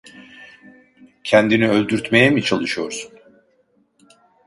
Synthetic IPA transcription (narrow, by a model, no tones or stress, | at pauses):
cʰɛnd̪iniølʲd̪yɾt̪me̞jɛmit͡ʃʰalˠɯʃɯjo̞ɾsu̥n